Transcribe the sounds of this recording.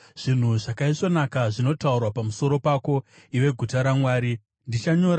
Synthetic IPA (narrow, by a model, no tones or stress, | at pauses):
ʐ̥in̤uʐakaiʂo̞nakaʐino̞taurwapamuso̞ɾo̞pako̞ | iwe̞ɡʱutaɾamwaːɾi | ndit͡ʃaɲo̞ːɾa